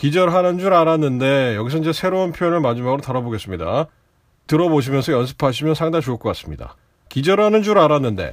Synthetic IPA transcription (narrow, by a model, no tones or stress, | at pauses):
kid͡ʑʌɾɦanɯnd͡ʑuɾaɾanːɯnde̞jʌɡisʰʌnid͡ʑe̞sʰe̞ɾounpʰjojonɯɭmad͡ʑimaɡɯɾotaɾaboɡe̞s͈ɯmɲida̰ | tɯɾʌboɕʰimjʌnsʰʌjʌns̬ʰɯ̥pʰaɕ̬ʰimjʌnsʰaŋdat͡ɕʰoɯɭkʌk͈as͈ɯmɲida̰ | kid͡ʑʌɾɦanɯnd͡ʑuɾaɾanːɯnde̞̰